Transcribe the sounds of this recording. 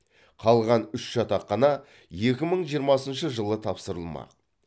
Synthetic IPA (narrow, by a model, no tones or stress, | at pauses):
qʰɑlˠʁɑnʏʃʒ̥ɑt̪ɑqːɑnɑ | je̞kʲɪməɴʒijəɾmɑsənʃəʒəlˠət̪ʰɑpsəɾəlˠmɑ̰q̚